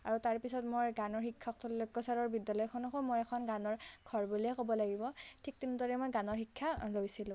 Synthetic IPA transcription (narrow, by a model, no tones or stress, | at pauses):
aɹutaɹpisɔtmojɡanɔɹhikʰːaktʰɔllɔkːɔsaɹɔɹbidːalɔjkʰɔnɔkomojɛkʰɔnɡanɔɹɡʰʱɔɹbulijɛkobɔlaɡibɔtʰik̚tintɔɹɛmojɡanɔɹxikʰːalojsilʊ̃